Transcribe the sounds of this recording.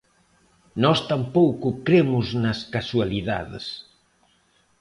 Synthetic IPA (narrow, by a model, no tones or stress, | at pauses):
nɔst̪ampowkʊkɾemʊznɐskaswaliða̰ðɪ̰s